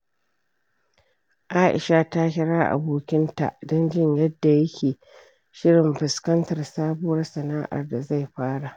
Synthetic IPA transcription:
ʔaː˦ʔɪ̰˨ʃa˦ta˦kʲɪ˦ɽaː˦ʔa̰˨boː˦kʲɪ˦nta̰˨ʔdɔ˦nd͡ʒɪ˦ɲjɐ˦dːa˨jɐ˦kʲʰeː˨ | ʃɪ˦ɽɪ˨mɸɪ˨skɐ˦ntɐ˨rsaː˦bʊ˦wɐ˦rsɐ˨naː˦ʔa̰˨rda˨za˦˨jɸaː˦ɽa˨ʔ

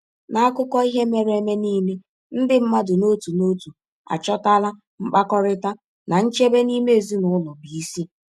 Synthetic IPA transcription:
na˨a˦kʊ˦kɔ˦i˦ɦe˦me˦ɾe˨˦me˦niː˦me˦ | n̩˦dɪ˦m̩˦ma˦dʊ˨no˦tu˨no˦tu˨ | a̰˨t͡ʃɔ˦ta˦la˦ | mŋ͡m̩˦k͡pa˦kɔ˦ɾɪ˦ta˦ | na˨n̩˦t͡ʃe˦be˦ni˦me˦˨zi˦nʊ˨˦lʊ˨bi˨i˦si˦

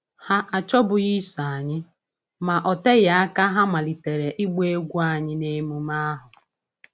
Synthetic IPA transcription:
ha˦ʔa˨t͡ʃɔ˦bʊ˨ji˦sa˨ɲɪ˦ | ma˨ʔɔ˨te˦ɣa˨a˦ka˦ɦa˦ma˨li˨te˨ɾe˨ʔi˦ɡ͡be˦ɡʷu˦a˨ɲɪ˦ne˦mu˨˦ma˦ɦʊ˨

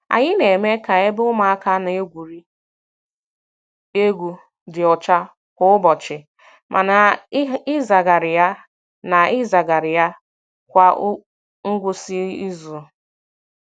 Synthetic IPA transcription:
a̰˨ɲɪ˦ne˨me˦ka˨e˦bʊ˦ma˨a˦ka˦n˨e˦ɡʷu˨ɾi˦ | e˦ɡʷu˨ | dɪ˨ɔ˨t͡ʃa˦ | kʷʊ˦ʊ˦bɔ˨t͡ʃɪ˨ | mʔa̰˨na˨ɪ˦za˨ɡa˨ɾɪ˨ja˦ | na˨ɪ˦za˨ɡa˨ɾɪ˨ja˦ | kʷa˦ | ŋ̩˦ɡʷʊ˦si˦i˦zʊ˨

